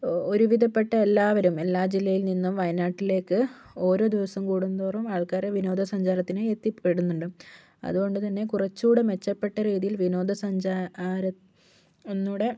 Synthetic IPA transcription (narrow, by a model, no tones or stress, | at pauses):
o̞ɾuʋid̪ʱɐpːe̞ʈːɐe̞lːaːʋɐɾume̞lːaːd͡ʑilːɐjilninːumʋɐjɐnaːʈːile̞ːkːɨ | o̞ːɾo̞ːd̪iʋɐsɐmkuːɽund̪uːrɐmaːɭkaːɾeʋino̞ːd̪ʱɐsɐɲd͡ʑaːɾɐt̪ːineet̪ːipeɽunːuɳɖɨ | ɐ̰ðuɣo̞ɳɖɨt̪ɐnːe̞kurɐt͡ɕːuːɽɐme̞t͡ɕːɐpːe̞ʈːɐɾiːðijilʋino̞ːd̪ʱɐsɐɲd͡ʑaːɾɐ | onːuːɽe̞